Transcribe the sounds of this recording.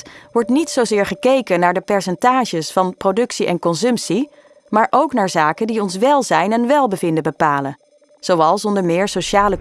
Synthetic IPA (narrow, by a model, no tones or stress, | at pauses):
ʋɔɹtnitsowzɪːɹχəkejkənaːɹdəpɛɹsɛntaːʒəsfɑnprowdɵksiʔɛ̰nkɔnsɵmpsi | maːɹʔowknaːɹzaːkəndiɔnsʋɛlˠzɛjnɛnʋɛlˠbəvɪndəbəpaːlən | z̥owɑlˠsɔndəɹmɪːɹsoʃaːlə